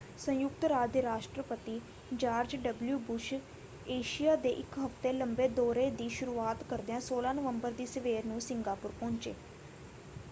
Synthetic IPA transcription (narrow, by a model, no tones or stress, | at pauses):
sə̃jʊk̚t̪ɾaːd̪eːɾaːʃʈɾəpət̪iː | d͡ʒaːɾd͡ʒɖəbljuːbʊʃ | eːʃijaːd̪eːʔɪkɦəft̪eːləmbeːd̪oːɾeːd̪iːʃʊɾuːaːt̪kəɾd̪eãːsoːlãːnəʋəmbəɾd̪iːsəʋeːɾnũːsɪŋɡaːpʊɾpɔ̃ːɲt͡ʃḛː